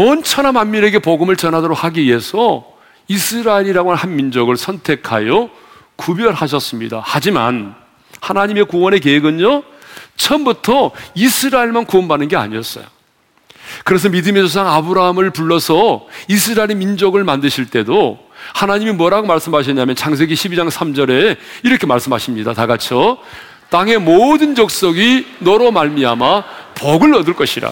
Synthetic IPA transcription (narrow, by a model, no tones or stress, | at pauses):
ʌnt͡ɕʰʌnamanmiɾe̞ɡe̞poɡɯmɯɭt͡ɕʌnɦadoɾok̚haɡiɥiɦe̞sʰʌ | isʰɯɾaeɾiɾaɡonanhanmind͡ʑoɡɯɭsʰʌntʰe̞kʰa̰jʌ | kubjʌɭhaɕ̬ʰʌs͈ɯmɲḭda̰had͡ʑima̰n | hanaɲime̞kuwʌne̞k̬eeɡɯɲo | t͡ɕʰʌmbutʰʌisʰɯɾaeɭmankuʌnbanːɯnɡe̞a̰ɲiʌs͈ʌ̰jo̰ | kɯɾe̞s̬ʰʌmidɯmisʰosʰaŋabɯɾaɦamɯɭpuɭːʌsʰʌisʰɯɾaeɾemind͡ʑoɡɯɭmandɯɕʰiɭt͈e̞do | hanaɲimimwʌɾaɡomaɭs͈ɯmɦaɕ̬ʰʌɲamjʌnt͡ɕʰaŋs̬ʰe̞ɡiɕʰibid͡ʑaŋsʰamd͡ʑʌɾe̞iɾʌkʰe̞maɭs͈ɯmɦaɕʰimɲidataɡat͡ɕʰʌ | t͈aŋe̞modɯnd͡ʑʌk̚s͈ʌɡinʌɾomaɭmiamapʌɡɯɭʌdɯɭk͈ʌɕʰiɾa̰